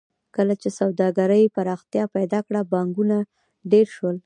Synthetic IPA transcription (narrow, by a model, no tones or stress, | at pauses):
kəlat͡ʃesawd̪ɑɡaɾəjpaɾɑxt̪jɑpajd̪ɑkɽabɑŋɡuna | ɖeɾʃwəl